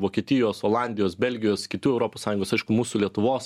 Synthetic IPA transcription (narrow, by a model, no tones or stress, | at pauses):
ʋoːkʲiɛt̪ʲɪjoːsoːlˠɑːnʲd̪ʲɪjoːsbʲɛlʲɡʲɪjoːskʲɪt̪ʲuːɛʊɾoːpoːssɑːjʊŋɡoːsɐɪʃkʊmuːsulʲiɛt̪ʊʋoːs